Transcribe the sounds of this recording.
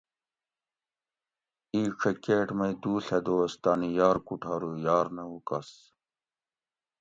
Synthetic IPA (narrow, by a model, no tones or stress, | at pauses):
iːʂʰɐkeːʈmɐjd̪uːɬed̪oːst̪aːnijaːɾkuʈʰaːɾujaːɾnɐɦukɐs